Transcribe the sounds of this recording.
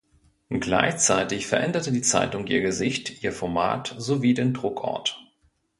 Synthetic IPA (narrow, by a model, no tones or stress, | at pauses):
ɡla̰ɪçt͡saɪtɪçfɛɐʔɛndɐtədiːt͡sa̰ɪtʊŋʔiːɐɡəzɪçtʔiːɐfɔɐma̰ːtz̥oviːdeːndʁʊkʔɔ̰ɐt